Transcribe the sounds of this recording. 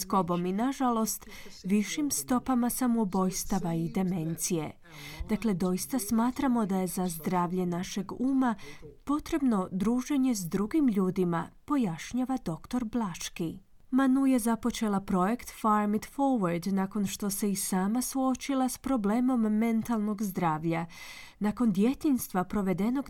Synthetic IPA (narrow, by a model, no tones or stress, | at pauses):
sko̞bo̞minaʒalˠo̞st̪ʋiʃimst̪o̞pamasamobo̞jst̪aʋaid̪e̞me̞nt̪sije̞̰ | d̪akle̞d̪o̞ist̪asmaːt̪ɾamo̞d̪aje̞zazd̪ɾaːʋʎe̞naʃe̞ɡuːmapo̞t̪ɾe̞bno̞d̪ɾuːʒe̞ɲe̞zd̪ɾuɡimʎuːd̪ima̰po̞jaʃɲaʋad̪o̞kt̪o̞ɾblˠaʃki | manuje̞zapo̞t͡ʃe̞lˠapɾo̞je̞kt̪faɾmid̪fo̞ɾʋaɾd̪naːko̞nʃt̪o̞se̞isaːmasuo̞t͡ʃilˠaspɾo̞ble̞ːmo̞mːe̞nt̪alˠno̞ɡzd̪ɾaːʋʎa | nako̞nd̪je̞t̪inst̪ʋapɾo̞ʋe̞d̪e̞no̞ɡ